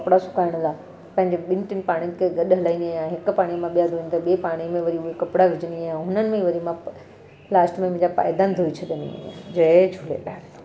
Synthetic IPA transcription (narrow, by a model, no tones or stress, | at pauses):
kɐpɽasʊkaːɪɽ̃la | pɐ̃ɦɪ̃ɲd͡ʑeɓɪ̃nʈ̪ɪnɪ̆paːɽ̃jnkʰeɡɐɗɦɐlaĩnd̪ijãɦɪkʊpaːɽ̃imãɓijad̪ʱoĩnt̪aɓiepaːɽ̃imẽʋɐɾiuekɐpɽaɡʱɪd͡ʑənijãɦʊnənɪ̆mẽʋɐɾimã | laːsʈmẽmʊ̃d͡ʑapa̰ːɪd̪and̪ʱoit͡ɕʰɐɗ̪ənḭd͡ʑɐed͡ʑʱʊlḛɗa̰ːn